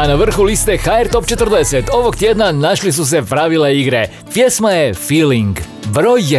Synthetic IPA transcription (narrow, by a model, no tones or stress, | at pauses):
anaʋr̩xulist̪ɛxaɛɾt̪opt͡ʃɛt̪r̩d̪ɛsɛt̪oʋokt̪jɛd̪nanaʃlis̬us̬ɛpɾaʋilɛiɡɾɛ | pjɛsmajɛfiːliŋɡ | vɾoj